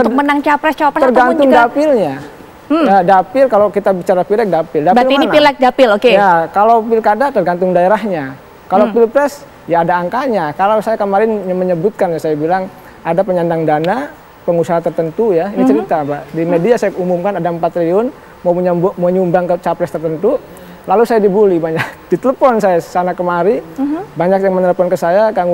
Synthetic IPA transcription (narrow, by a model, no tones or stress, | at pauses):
tʊk̚mənaŋt͡ʃapɾɛst͡ʃaɾɛtərɡant̪ʊŋdapɪlɲa | jadapɪlkalawkit̪abit͡ʃaɾapilɛk̚dapɪldabilininailɛk̚dapɪlokejakalawpɪlkadat̪ərɡant̪ʊŋdaeɾahɲa | kalopilpɾɛs | jaːdaːŋkaɲakalawsajakəmaɾɪnməɲəbut̪̚kanasajabilaŋ | ʔadapəɲandaŋdana | pəŋusaɦat̪ərt̪ənt̪ujainit͡ʃəɾit̪abaʔdimediasajaumumkanadaəmpat̪ɾiʊn | mamɲbməɲumbaŋkət͡ʃapɾɛst̪ərt̪ənt̪u | lalusajadibulibaɲak̚d̥it̪ələfɔnsajasanakəmaɾibaɲakjaŋmənələpɔnkəsajakaŋ